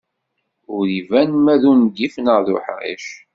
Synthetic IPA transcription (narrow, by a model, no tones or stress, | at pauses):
ʊɾivænmæðunɡifnəʁðʊ̰ħʁḭʃ